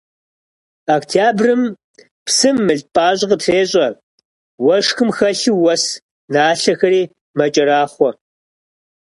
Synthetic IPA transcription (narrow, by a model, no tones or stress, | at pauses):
aktʰjaːbrɨm | psɨmːɨɮpʼaːɕʼqətfeːɕʼɐ | wɐʂxɨmxɐɬɨwɐs | naːɬɐxɐɾiː | mɐt͡ʃʼɐɾaːχʷɔ